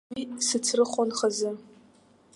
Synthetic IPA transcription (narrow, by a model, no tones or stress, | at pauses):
isɨt͡sʰrɨχʷʼonχazɨ